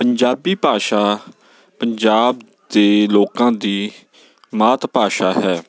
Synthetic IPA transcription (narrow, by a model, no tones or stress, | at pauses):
pəɲd͡ʒaːbiːpaːʃaː | pəɲd͡ʒaːb̚ | d̪eːloːkãːd̪iː | maːt̪ʰpaːʃaːɦɛː